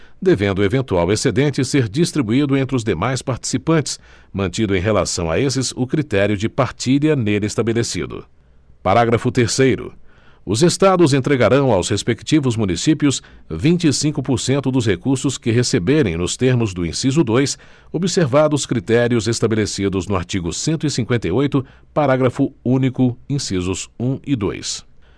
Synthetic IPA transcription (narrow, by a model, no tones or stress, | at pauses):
d̪evẽnd̪ʊevẽnt̪uawesed̪ẽnt͡ʃɪseɾd͡ʒist̪ɾibuid̪ʊẽnt̪ɾɪʊzd̪emajspaɾt͡ʃi̥sipɐ̃nt͡ʃɪ̥s | mɐ̃nt͡ʃĩd̪ʊẽj̃ɦela̰sɐ̃w̃a̰esɪzʊkɾit̪ɛɾjʊd͡ʒɪpaɾt͡ʃiʎɐnelest̪abelesḭd̪ʊ̰ | paɾaɡɾɐfʊt̪eɾsejɾʊ̰ʊzest̪ad̪ʊz̬ẽnt̪ɾeɡaɾɐ̃w̃awshespekt͡ʃivʊzmũnisipjʊsvĩnt͡ʃɪːsĩŋkʊpoɾsẽnt̪ʊd̪ʊshekuɾsʊskɪɦesebeɾẽj̃nʊst̪eɾmʊzd̪ʊḭ̃sizʊd̪ojs | obiseɾvad̪ʊskɾit̪ɛɾiʊzest̪abelesid̪ʊznʊa̰ɾt͡ʃiɡʊsẽnt̪ʊisĩŋkwẽnt̪ɐjojt̪ʊ | paɾaɡɾɐfʊũnikʊĩsizʊzũɪd̪o̰js